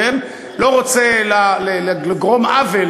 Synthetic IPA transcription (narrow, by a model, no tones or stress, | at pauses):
em | lo̞ʁot͡selalelaleɡʁo̞mʔavel